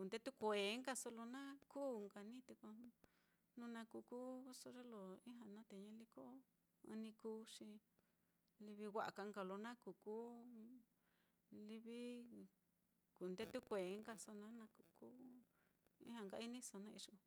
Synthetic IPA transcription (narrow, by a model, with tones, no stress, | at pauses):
ku˨nd̪e˦t̪u˦kʷe˨˦ŋka˧so˧lo˧nã˦kuː˦ŋɡa˧nĩ˦t̪e˧ko˧ | nũ˦˧nã˧ku˧ku˦so˧ʐe˦lo˨ĩ˦ɦã˧nã˦t̪e˨ɲã˦li˦ko˦ | ã̰˧nĩ˧kuː˦ʂi˧ | li˧βi˧wʷa˧ʔka˧ŋɡa˧˨lo˧nã˦ku˨ku˦ | li˧βi˦ | ku˨nd̪e˦t̪u˦kʷe˨˦ŋɡa˧so˧nã˦nã˧ku˧ku˦ | ḭ̃˦hã˧ŋɡa˧˦i˦nĩ˦so˧nã˦˧ḭ˧ʂo˧